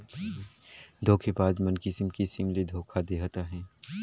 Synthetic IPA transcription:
d̪ʱoːkʰebaːzmənkisɪmkisɪmled̪ʱoːkʰad̪eːɦat̪aɦɛ̃ː

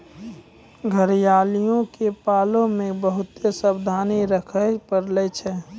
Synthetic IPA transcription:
ɡʱəɾijaːlijõkepaːlõmẽbəɦʊt̪esəbd̪ʱaːniɾəkʰəpəɾlɛt͡ʃʰɛ

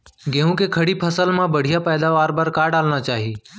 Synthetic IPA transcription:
ɡẽːɦũːkekʰəɽipʰəsəlmãbəɽ̤ʱijaːpɛːd̪aːʋaːɾbəɾkaːɖaːlnat͡ʃaːɦiː

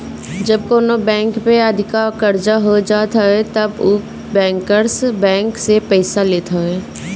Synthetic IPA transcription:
d͡ʒɐb̚koːnobɛ̃ːŋkpeɐd̪ʱɪkakɐɾd͡ʒaɦod͡ʒaːt̪aɦɛt̪ɐbʊ | bɛ̃ːŋkəɾsbɛ̃ːŋksepɛɪsaleːt̪ʰaɦɛː

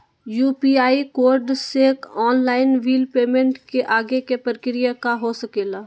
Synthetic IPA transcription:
juːpiaːikoːɾɖsekɔːnlaːɪnʋiːlpeːmẽɳʈkeʔaːɡekepəɾɪkɾijakaɦosəkeːlaː

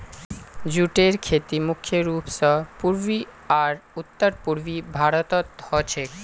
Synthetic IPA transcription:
d͡ʑuʈeɾkʰet̪imukʰːjoɾupsɔpuɾbi | aɾut̪ːoɾpuɾbibʱaɾot̪ɔt̪hɔt͡ɕʰek

